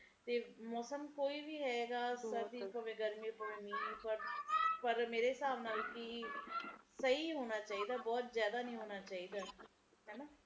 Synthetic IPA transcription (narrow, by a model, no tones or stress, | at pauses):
t̪eːmɔːsəmkoːiːʋiːɦɛːɡaːsəɾd̪iːpəʋẽːɡəɾmẽːpoːmiːpəɾpəɾmeːɾeːsaːʋnaːlːki | səiːɦoːnaːt͡ʃaːiːd̪aːbɔːt̪zjaːd̪aːnəĩːɦoːnaːt͡ʃaːiːd̪aː | ɦɛːnaː